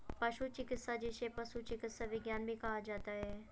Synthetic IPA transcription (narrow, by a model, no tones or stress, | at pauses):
pɐʃut͡ʃɪkɪt̪sad͡ʒeːʃepɐʃut͡ʃɪkɪt̪saʋɪɡjaːnbʱĩkɐɦad͡ʒaːt̪aɦɛː